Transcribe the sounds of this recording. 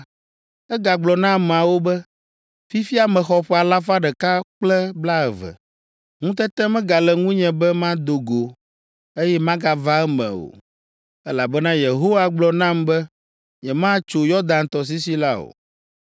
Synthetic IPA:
ɛ˦ɡa˨ɡ͡blɔ˨nã˦mɛ̃˨a˨wo˦bɛ˦ | fi˦fi˦a˨mɛ̃˨xɔ˨ɸɛ˦a˨la˦fa˦ɖɛ˨ka˦k͡plɛ˦bla˦ɛ˨vɛ̰˨ | ŋũ˦t̪ɛ˦t̪ɛ̃˦mɛ̃˦ɡa˨lɛ˨ŋũ˦ɲɛ̃˨bɛ˦mã˦d̪o˨ɡo˨ | e˦jɛ˦mã˦ɡa˨va˦ɛ˦mɛ̰̃˨o̰˨ | ɛ˦la˨bɛ˦nã˦je˨ɦo˦wa˨ɡ͡blɔ˨nã˦mbɛ˦ | ɲɛ˨mã˦t͡ʃo˨jɔ˦ɾd̪ã˨nt̪ɔ˨s̬i˦si˦la˦o̰˨

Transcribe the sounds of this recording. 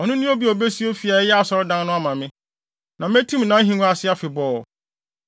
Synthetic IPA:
ɔ˨nʊ̃˦nʊ̃˦o˦bi˦ɔ˨be˦si˦o˦fi˨a˨˦jɛ˦a˨sɔ˦ɾʊ˦dã˦n˦nʊ̃˦a˦mã˨mɪ̃˦ | nã˨m˦e˦tʰĩ˦m˨nã˨˦ɦĩ˨˦n˦a˨sɪ˦a˦fɪ˨bɔː˨

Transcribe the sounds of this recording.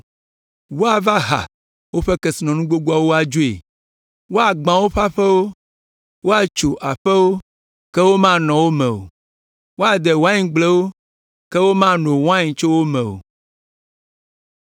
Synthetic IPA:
wo˦a˨va˦ɦa̰˨ | wo˦ɸɛ˦kɛ˨si˨nɔ̃˨nũ˦ɡ͡bo˦ɡ͡bu˦a˦wo˦a˨d͡ʒo˦ḛ˨ | wo˦a˨ɡ͡bã˨wo˦ɸa˦ɸɛ˦wo˦ | wo˦a˨t͡ʃo˨ʔa˨ɸɛ˦wo˦ | kɛ˦wo˦mã˦nɔ̃˨wo˦mɛ̃˨o̰˨ | wo˦a˨d̪ɛ˨wo˦a˦ɲĩ˨ɡ͡blɛ˦wo˦ | kɛ˦wo˦mã˦no˨wo˦a˦ɲĩ˨t͡ʃo˦wo˦mɛ̃˨o̰˨

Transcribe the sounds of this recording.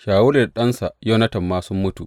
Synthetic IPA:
ʃaː˨wʊ˦le˨ɗɐ˦nsa˨jo˦nɐ˦tɐ˨mːaː˦sʊ˦mːʊ˦tu˨ʔ

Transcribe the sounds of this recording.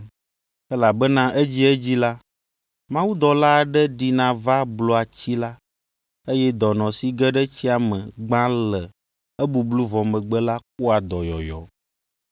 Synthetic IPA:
ɛ˦la˨bɛ˦nã˦ʔe˦d͡ʑi˦ɛ˦d͡ʑi˦la˦ | mã˦wu˦d̪ɔ˨la˦˨ɖɛ˦ɖi˨nã˨va˦blo˨a˨t͡ɕi˦la˦ | e˦jɛ˦d̪ɔ˨nɔ̃˨si˦ɡɛ˦ɖɛ˦t͡ɕi˦a˨mə̃˨ɡ͡bã˦lɛ˨ | ɛ˦bu˨blu˦vɔ̃˨mə̃˨ɡ͡bɛ˦la˦k̚u˦a˨d̪ɔ˨jɔ˨jɔ̰˨

